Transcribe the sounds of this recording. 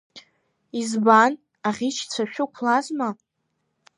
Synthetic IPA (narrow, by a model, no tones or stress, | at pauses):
izban | aʁʲit͡ʃʰt͡sʷʰaʃᶣʊkʷʰlazma